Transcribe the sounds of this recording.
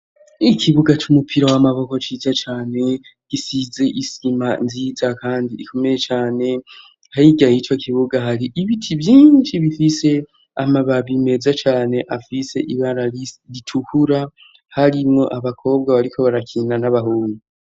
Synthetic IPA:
ikʰiβuɡat͡ʃumupʰiɾawamaβo̞ko̞t͡ʃiːzat͡ʃaːne̞ɡ̥isize̞ʔisimanziːzakaːndiːkʰo̞meje̞t͡ʃaːne̞ | haiɡahit͡ʃwokʰiβuɡaɦaɾiʔiβitʰivjiːnnt͡ʃiβifise̞ | amaβaβime̞zat͡ʃaːne̞ʔafise̞ʔiβaɾaiɾitʰuhuɾa | haɾimŋo̞̰ʔaβakʰo̞ːbɡaβaɾikʰo̞βaɾakʰiːnanaβaɦuːŋɡu

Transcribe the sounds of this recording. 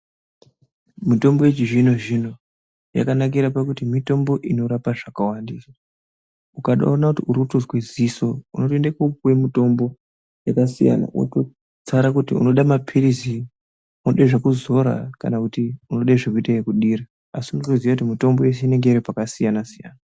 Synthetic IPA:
mito̞mbo̞jet͡ʃiʐino̞ʐino̞ | ja̰kanak̬iɾapakutimito̞mbo̞ʔino̞ɾapaʐakawandisa | ukaɗa̰onakutiuɾikutozwezisouno̞toendekopwe̞mito̞mbo̞ | jakasḭja̰na̰ʔo̰to | t͡saɾakutiṵno̞ɗamapʰiɾisi | unoɗaiʐekuzo̞ɾa̰ka̰nakutiuno̞ɗaiʐekuitajekuɗira | asiunotoziʋakutimito̞mbo̞jes̬eine̞ŋɡeiɾipakasijanasija̰ːna

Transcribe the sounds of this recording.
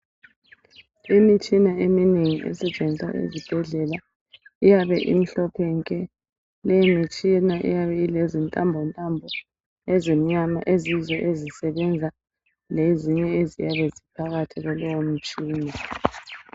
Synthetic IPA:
imit͡ʃʼinaemineŋiʔɛ̰sɛd̥t͡ʃʼɛnisa̰ʔḛzib̥ʱɛɮɛla | ijaβɛʔḭm̩ɬɔpʰɛŋkʼɛ | lemit͡ʃʼinaʔḭjaβɛilɛzintʼambʱɔntʼambʱɔ | ɛzom̩ɲama̰ʔezizɔʔezisɛβɛnd͡zʱa | leziɲɛezijaβɛzipʰaɣatʰiɣɔlɔwom̩t͡ʃʼiːna

